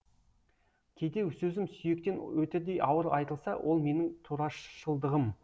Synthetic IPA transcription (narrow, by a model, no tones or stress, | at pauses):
kʲʰejd̪e̞wsɵzɪmsʏje̞k̚t̪e̞nwɵt̪ed̪e̞jɑwəɾɑjt̪əlˠsɑwʔo̞lˠme̞nɪŋt̪ʰuɾɑʃʃəlˠd̪əʁəm